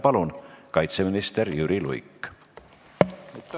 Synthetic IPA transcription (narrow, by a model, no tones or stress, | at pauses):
pɑlunkɑjt̪seminist̪eɾjyɾilṵjkː